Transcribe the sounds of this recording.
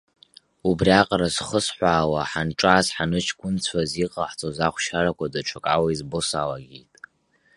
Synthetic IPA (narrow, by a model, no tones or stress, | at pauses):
ubriaqʼrazχəsħʷaːwaħanʈ͡ʂʼaːzħanɨt͡ʃʰkʷʼʊnt͡sʷʰaziqʼaħt͡sʼozaχʷʃaɾakʷʰadaʈ͡ʂʷʰakʼawaizbosalaɡʲḛjtʼ